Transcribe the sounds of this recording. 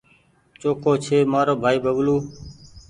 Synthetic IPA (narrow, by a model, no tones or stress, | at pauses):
t͡ʃoːkʰoːt͡ʃʰeːmaːɾoːbʱaːiːbəʋluː